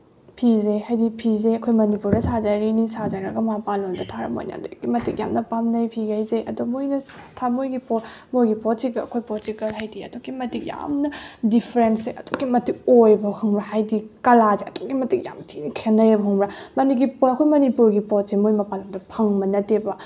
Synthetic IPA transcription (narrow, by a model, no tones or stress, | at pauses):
pʰizehajdipʰizeɐkʰojmɐnipuɾdɐsazaɾinisazaɾɐɡɐmapalondɐtʰaɾɐ̰mo̰jnɐ̰doɡimɐtʰik̚ja̰mnɐpamnɐjpʰiɡajzeʔɐ̰dumojnɐtʰamojɡipɔmojɡipɔtikɐɐ̰kʰojpɔtikɐlɦajdiɐ̰doɡimɐtik̚ja̰mnɐdipʰɾenseʔɐdoɡimɐtik̚ojbɐhɐŋbɾahajdikɐlazeɐ̰toɡimɐtik̚ja̰mtʰinkʰenɐjɐbɦɐŋbɾamɐnikɡipɐkʰojmɐnipuɾɡipɔt̚semojmapalondɐpʰɐŋbɐnɐtebɐ